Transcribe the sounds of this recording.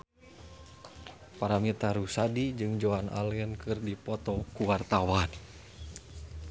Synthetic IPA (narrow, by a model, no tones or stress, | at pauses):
paɾamit̪aɾusadid͡ʒɨŋd͡ʒɔana̰lɛənkɨrdipɔt̪ɔkuwart̪awan